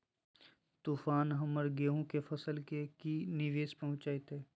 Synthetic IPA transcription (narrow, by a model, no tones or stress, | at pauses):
t̪uːfaːnɦɐməɾɡeːɦõkefɐsəlkekinɪʋeːspɐɦʊ̃t͡ʃaːet̪ɦeː